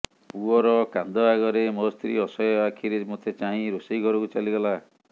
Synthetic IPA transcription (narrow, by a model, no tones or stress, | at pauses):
puɔɾɔkand̪ɔaɡɔɾemɔst̪ʰɾḭɔsɔjɔakʰiɾemot̪ʰet͡ʃaɦĩɾosiɡʱɔɾɔkut͡ʃaliɡɔla